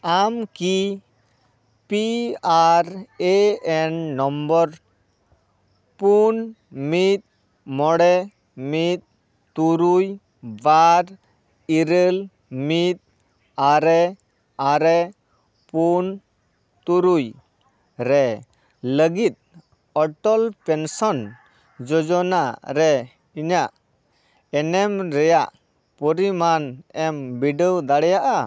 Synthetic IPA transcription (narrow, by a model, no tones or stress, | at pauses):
amki | piaɾeenːɔmbəɾ | pun | mit̪̚ | mɔɽe | mit̪̚ | t̪uɾuj | ʋaɾ | iɾəl | mit̪̚ | aɾe | aɾɛ | pun | t̪uɾuj | ɾɛ | ləɡit̪̚ | ɔʈɔlpɛnsɔn | d͡ʒɔd͡ʒɔnaɾɛ | iɲaʔ | ɛnɛmɾɛjaʔ | pɔɾimanɛmbiɖəwd̪aɽɛjaʔa